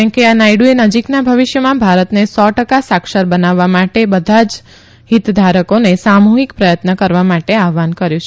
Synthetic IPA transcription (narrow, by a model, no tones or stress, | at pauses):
ə̃keanajɽuenəd͡ʒiknabʱəʋiʃjəmãbʱaɾət̪nesɔʈəkasakʃəɾbənaʋːamaʈebəd̪ʱad͡ʒ | ɦit̪d̪ʱaɾəkonesamuɦikpɾəjət̪nəkəɾʋamaʈeaʋankəɾjũt͡ʃʰ